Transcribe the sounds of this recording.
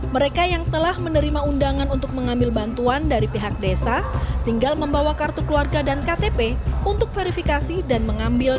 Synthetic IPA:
məɾekajaŋt̪əlahmənəɾimaundaŋanunt̪ʊk̚məŋambɪlbant̪uandaɾipiɦak̚desat̪iŋɡalməmbawakart̪ukluarɡadankat̪epeunt̪ʊk̚feɾifikasidanməŋambɪl

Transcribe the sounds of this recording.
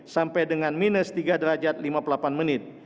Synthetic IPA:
sampajdəŋanminəst̪iɡadəɾad͡ʒat̪̚limapulapanmənɪt̪̚

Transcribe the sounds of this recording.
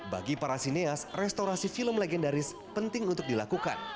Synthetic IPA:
ba̰ɡipaɾasineasrɛst̪oɾasifiləmlɛɡɛndaɾɪs | pənt̪ɪŋunt̪ʊk̚dilakuka̰n

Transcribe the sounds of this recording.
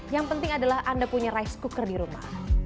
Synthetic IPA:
jaŋpənt̪ɪŋadalahʔandapuɲaɾajskukərdiɾuma̰h

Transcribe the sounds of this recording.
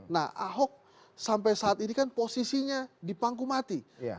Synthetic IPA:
na̰hʔaɦɔk̚ | samp̬ajsaːt̪inikanposisiɲadipaŋɡumat̪ḭ

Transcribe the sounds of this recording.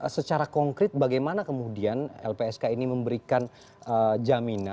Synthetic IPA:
sət͡ʃaɾakɔŋkɾɪt̪̚baɡajmanakəmudianɛ̰lpeɛskainiməmbəɾikan | ʔəd͡ʒamina

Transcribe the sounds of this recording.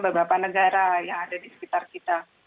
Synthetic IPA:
bəbapanəɡaɾajaŋadadisə̥pit̪arkit̪a

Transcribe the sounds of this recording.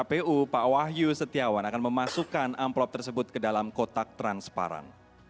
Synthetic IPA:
apeʔupawaɦjusət̪iawanakanməmasukanamplɔp̚t̪ərsəbʊt̪̚kədalamkot̪ak̚t̪ɾanspa̰ɾa̰n

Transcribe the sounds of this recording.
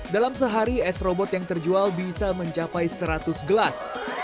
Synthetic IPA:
dalamsəɦaɾiɛsrɔbɔt̪jaŋt̪ərd͡ʒualbisaməɲt͡ʃapajsəɾat̪ʊsɡəlas

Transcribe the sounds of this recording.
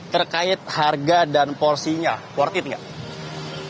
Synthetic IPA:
t̪ərkaɪt̪̚harɡadanpɔrsiɲapɔrt̪iɪt̪̚ŋɡaʔ

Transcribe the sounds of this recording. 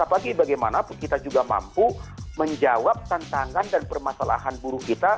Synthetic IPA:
apaɡibaɡajma̰napʊnkit̪ad͡ʒuɡama̰mpuməɲd͡ʒawap̚t̪ant̪aŋandanpərmasala̰ɦanbuɾʊhkit̪a

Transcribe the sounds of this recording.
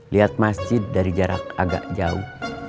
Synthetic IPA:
liat̪̚masd͡ʒɪd̚ːaɾid͡ʒaɾakaɡa̰ʔd͡ʒaṵh

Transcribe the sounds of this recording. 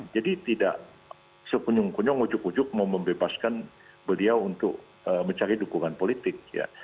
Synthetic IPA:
d͡ʒadit̪ida̰ʔ | səkuɲʊŋkuɲɔŋud͡ʒʊkud͡ʒʊk̚mauməmbebaskan | bəliawunt̪ʊk̚ | əməɲt͡ʃaɾidukuŋanpolit̪ɪk̚ja̰

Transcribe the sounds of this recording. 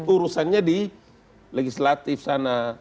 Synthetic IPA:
uɾusanɲadi | lɛɡislat̪ifsana

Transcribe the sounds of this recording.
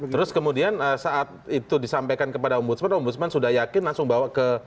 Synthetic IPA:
t̪əɾʊskəmudianəsaʔat̪̚it̪udisampajkankəpadaɔmbut̪smanɔmbut̪smansudahjakɪnlaŋsʊŋbawaʔkə

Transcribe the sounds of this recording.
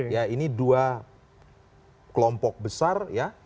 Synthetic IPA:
jainidua | kəlɔmpɔk̚bəsarja

